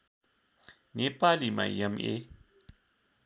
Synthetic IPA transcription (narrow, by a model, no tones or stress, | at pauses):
nepalima̰iəmḛ